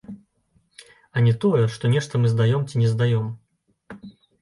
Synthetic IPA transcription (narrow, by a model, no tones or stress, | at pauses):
ɐnʲɛt̪ɔjɛʂt̪ɔnʲɛʂt̪ɐmɨzd̪ajɔmt͡sʲinʲɛzd̪ajɔm